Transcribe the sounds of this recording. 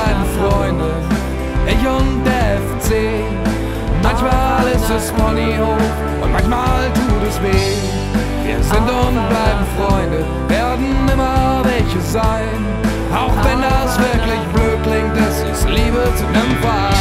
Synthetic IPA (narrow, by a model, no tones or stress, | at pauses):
aɪbm̩fʁ̥ɔʏndə | ʔɪçʊndeɛft͡seː | mançmaːlɪstɛsfɔnio | ʔʊ̰nt̚mançmaːltʰuːtɛsveː | vḭːɐzɪntʊntb̥laɪbm̩fʁ̥ɔʏndə | veːɐdn̩ɪmɐvɛlçəzaɪn | ʔaʊxv̥ɛndasv̥ɪɐklɪçb̥løːt̚klɪŋk̚tɪstɛsliːbət͡sunɛmfa